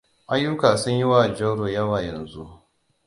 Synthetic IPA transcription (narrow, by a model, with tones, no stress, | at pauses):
ʔa˦jːʊ˦kaː˨sʊ˦ɲji˦waː˦˨d͡ʒɐ˦wɽoː˨jɐ˦waː˨jɐ˨nzu˦ʔ